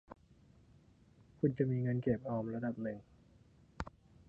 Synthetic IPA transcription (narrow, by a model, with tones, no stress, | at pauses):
kʰu˧nt͡ɕa˨˩ʔmiː˧ŋaː˧nkeː˨˩p̚ʔɔː˧mɾa˧da˨˩p̚nɯ˨˩ŋ